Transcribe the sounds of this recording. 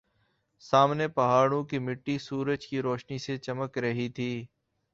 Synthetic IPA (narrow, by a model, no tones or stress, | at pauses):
saːmnepɐɦaːɽõkimɪʈːisuːɾəd͡ʒkiɾoːʃniset͡ʃəməkɾəɦit̪ʰiː